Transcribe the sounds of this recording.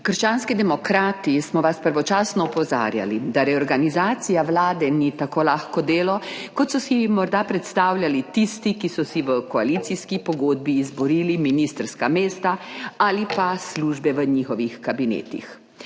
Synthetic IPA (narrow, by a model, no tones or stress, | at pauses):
kəɾʃt͡ʃaːnskid̪ɛmɔkɾaːt̪ismɔʋaspəɾʋɔt͡ʃaːsnɔɔpɔza̰ːɾja̰lid̪aɾɛɔɾɡanizaːt̪sijaʋlaːd̪ɛnit̪akoːlaːxkɔd̪eːlɔkɔt̪sɔsimɔɾd̪apɾɛt̪st̪aːwlʲjalit̪ist̪ikisɔsiʋəkɔalit̪siskipɔɡoːd̪̚biːzbɔɾiːliminist̪əɾskameːst̪aalipasluʒbɛʋəɲixɔʋixkabinḛːt̪ḭx